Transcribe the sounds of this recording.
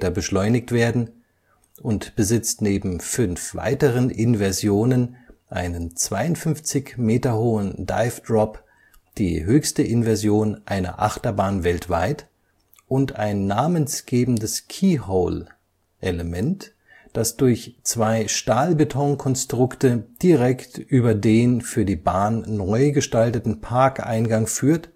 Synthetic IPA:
tɐbəʃlɔʏnɪktv̥eːɐdn̩ | ʔʊntb̥əzɪt͡stneːbm̩fʏnfv̥a̰ɪtəʁənʔɪnvɛɐzjoːnənʔa̰ɪnənt͡sv̥aɪʊntfʏnft͡sɪçmeːtɐhoːənda̰ɪfd̥ʁɔp | d̥ḭːɦøːçstəʔɪnvɛɐzjoːnʔaɪnɐ̰ʔaχtɐbaːnvɛltv̥aɪt | ʔʊnta̰ɪnːaːmənsɡ̥eːbm̩dəskʰiːhoʊl | ʔeləmɛnt | d̥asd̥ʊɐçt͡sv̥aɪʃtaːlbetʰɔŋkʰɔnstʁ̥ʊktəd̥iʁɛktʔyːbɐdeːnfyːɐdiːbaːnːɔʏɡəʃtaltətn̩pʰaɐkʔa̰ɪnɡaŋfyːɐt

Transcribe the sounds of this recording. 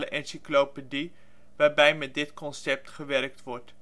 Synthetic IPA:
ləʔɛnsiklopədi | ʋaːrbɛjmɛt̚dɪtkɔnsɛp̚tχəʋɛrk̚tʋɔrt

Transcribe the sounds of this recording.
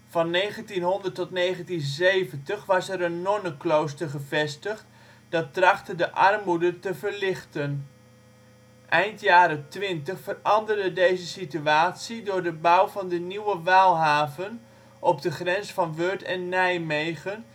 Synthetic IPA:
vɑnːejχəntinɦɔndəɹtɔtnejχəntinzejvəntəχʋɑsɛɾənːɔnəklowstəɹχəvɛstəχt | d̥ɑt̚rɑχtədəʔɑrmudəntəvəɹlɪχtən | ʔɛjntjaːɾətʋɪntəχfərɑndərdədejzəsityaːtsidʊːɹdəbawvɑndəniwəʋaːlˠɦaːvən | ʔɔb̚dəχrɛnsfɑnʋøɹtɛnːɛjmejχən

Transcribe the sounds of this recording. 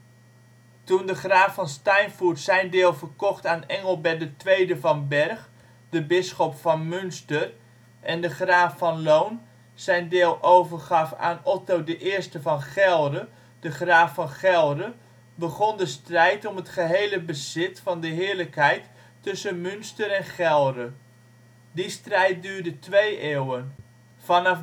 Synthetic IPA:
tundəχraːfɑnstɑjnfuɹtsɛjndeːlˠvəɹkɔχtaːnɛŋəlˠbɛdətʋejdəvɑnbɛɹχ | dəbɪsχɔpfɑnmʏnstər | ʔɛndəχraːfːɑnlown | z̥ɛjndeːlˠʔowvəɹχɑfa̰ːnɔtowdəʔɪːɹstəvɑnχɛlˠdə | d̥əχraːfɑnχɛlˠdə | bəχɔndəstrɛjtɔmətχəɦejləbəzɪtfɑndəɦɪːɹləkɦɛjtː | ɵsənmʏnstəɾɛnχɛlˠrə | distrɛjt̚dyːɹdətʋejeːwən | vɑnɑf

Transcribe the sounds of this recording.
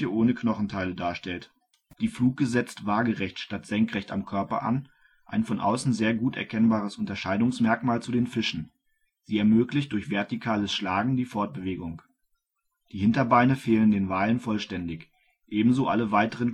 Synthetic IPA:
əʔoːnəkʰnɔχn̩tʰaɪlədaːɐʃtɛlt | d̥iːfluːk̚ɡ̥əzɛt͡stv̥aːɡəʁɛçtʃtatz̥ɛŋkʁ̥ɛçta̰mkʰœɐpɐ̰ʔa̰n | ʔa̰ɪnfɔnʔa̰ʊsn̩zeːɐɡuːtɛ̰ɐkʰɛnbaːʁ̞əsʊntɐʃaɪdʊŋsmɛɐkmaːlt͡sudeːnfɪʃn̩ | z̥iːɛɐmøːklɪçt̚d̥ʊɐçv̥ɛɐtikʰaːləsʃlaːɡŋ̩diːfɔɐt̚b̥əveːɡʊŋ | d̥iːhɪntɐbaɪnəfeːləndeːnvaːlənfɔlʃtɛndɪç | ʔeːbm̩zoːʔaləvaɪtəʁən

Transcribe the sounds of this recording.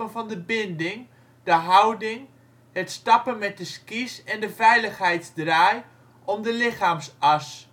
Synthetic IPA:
ənvɑndəbɪndɪŋ | d̥əɦʌwdɪŋ | ɦətstɑpənmɛt̚dəskisɛndəvɛjləχɦɛjtzdraːj | ʔɔmdəlɪχaːmsɑs

